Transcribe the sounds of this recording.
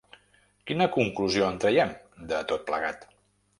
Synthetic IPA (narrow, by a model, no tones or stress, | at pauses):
kinəkuŋkluzioənt̪ɾəjɛm | d̪ət̪ot̪̚plə̰ɣat̪